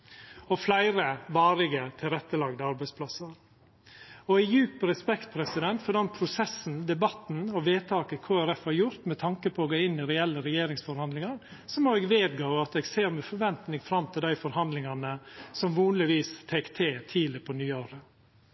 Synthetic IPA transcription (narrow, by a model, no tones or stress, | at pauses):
ɔflæɪɾəʋɑːɾɪɡət̪ʰɪlɾɛt̪ːəlɑːɡd̪əɑɾbæɪspʰlɑsəɾ | ɔɛjʉːpəɾɛspɛkt̪̚pʰɾɛsɪd̪ɛnt̪fɔɖ̪ɛnpʰɾʊsɛsːn̩d̪ɛbɑt̪n̩ɔʋeːt̪ʰɑːkəkʰoːæɾɛfhɑɾjʊɾt̪mɛt̪ʰɑŋkəpʰɔɔɡoːɪnːɪɾɛɛlːəɾɛjeːɾɪŋsfɔɾhɑnd̪lɪŋɑɾsɔmɔɛɡʋeːd̪ɡoːʋɑt̪ɛːɡseːɾmɛfɔɾʋɛnt̪nɪŋfɾɑmt̪ʰɪld̪æɪfɔɾhɑnd̪lɪŋɑnəsɔmʋuːnlɪʋiːst̪ʰɛːkt̪ʰeːt̪ʰiːlɪpʰɔnyːoːɾə